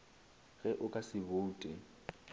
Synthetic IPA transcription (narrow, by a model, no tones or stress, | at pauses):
ɣɛʔʊkʼasɪboutʼe